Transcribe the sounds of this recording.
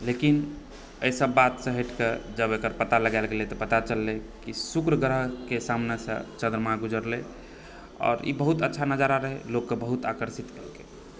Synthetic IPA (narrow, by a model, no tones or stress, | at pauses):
lekin | əjsəbːat̪sə̃ɦeʈʰked͡ʒəbekəɾpət̪aləɡaɪlɡelet̪ɔpət̪at͡ʃəlːekisukɾəɡɾəɦkesamnesə̰̃t͡ʃə̃nd̪ɾəmaɡud͡ʒəɾle | ɔ̰ːɾḭbəɦut̪ətːʃʰanəd͡ʒaɾaɾəɦɛlokːebəɦut̪akəɾsit̪kelke